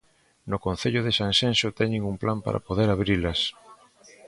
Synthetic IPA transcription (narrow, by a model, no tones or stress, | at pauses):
nʊkõn̟θeʎʊð̞esãnsensot̪ɛɲeŋumplampa̰ɾa̰poðeɾaβɾilɐs